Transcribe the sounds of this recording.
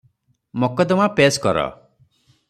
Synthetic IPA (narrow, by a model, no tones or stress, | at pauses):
mokɔd̪ɔmapeskɔɾɔ̰